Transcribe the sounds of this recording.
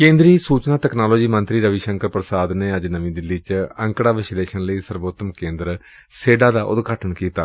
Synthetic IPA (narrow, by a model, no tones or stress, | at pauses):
kẽːnd̪ɾiːsuːt͡ʃnaːt̪ɛknaːloːd͡ʒiːmə̃nt̪ɾiːɾəʋiːʃəŋkəɾpɾəsaːd̪neːəd͡ʒnəmĩːd̪ɪlːit͡ʃə̃ŋkɽaːʋɪsɪleːʃənləiːsəɾboːt̪ːəmkẽːnd̪ɾə | seːɖaːd̪aːʔʊ̰d̪ɡaːʈʰəɳkiːt̪a̰ː